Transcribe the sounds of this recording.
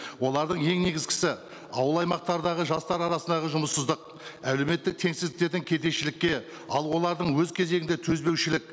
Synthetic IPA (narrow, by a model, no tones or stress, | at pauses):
wo̞lˠɑɾd̪əɴje̞ŋne̞ɡʲɪzkʲɪ̥sɪ | ɑ̰wəlˠɑjmɑq̚t̪ɑɾd̪ɑʁəʒɑst̪ɑɾɑɾɑsənd̪ɑʁəʒʊməsːəzd̪əq | æle̞me̞t̪ːɪk̚t̪ʰe̞ŋsɪzd̪ɪk̚t̪e̞ɾd̪ɪŋkʲʰe̞t̪e̞ʃɪlɪkʲːe̞ | ɑ̰lˠwo̞lˠɑɾd̪əɴwɵzkʲʰe̞ze̞ɡɪnd̪e̞t̪ʰɵzbe̞wʃɪlɪk̚